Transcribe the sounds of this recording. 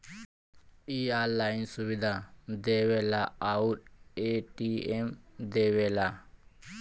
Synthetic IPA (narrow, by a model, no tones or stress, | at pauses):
ialainsuβid̪ʱad̪ewelaaut̚eʈiemd̪ewela